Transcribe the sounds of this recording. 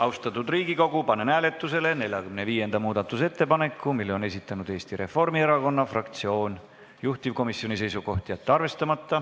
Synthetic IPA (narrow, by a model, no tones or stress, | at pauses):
ɑwst̪ɑt̪ːˑud̪riːɡiko̞ɡupɑnenæːle̞t̪ːˑuse̞le̞ne̞lʲjɑkymne̞viːje̞nd̪̥ɑmuːd̪ɑt̪ːˑus̬e̞t̪ːe̞pɑne̞kːˑumilːeo̞ne̞sit̪ːˑɑnud̪̥e̞ːst̪iɾe̞fo̞rmie̞ɾɑko̞nːɑfrɑkt̪sio̞ːn | juht̪ivko̞misːio̞nise̞jsuko̞ht̪ijɑt̪ːeɑrve̞st̪ɑmɑt̪ːɑ